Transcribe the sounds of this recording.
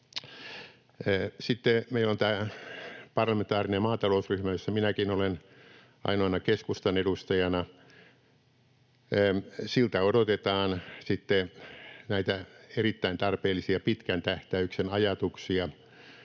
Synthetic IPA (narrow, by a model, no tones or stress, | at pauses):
sit̪ːemeilont̪æː | pɑrlɑment̪ɑːrinemɑːt̪ɑlousryhmæjosːɑminækinolen | ʔɑ̰inoɑnɑkeskust̪ɑnedust̪ɑjɑnɑ | silt̪æodot̪et̪ɑːnsit̪ːenæit̪æerit̪ːæint̪ɑrpeːlːˑisiɑpit̪kænt̪æht̪æyksenɑjɑt̪uksiɑ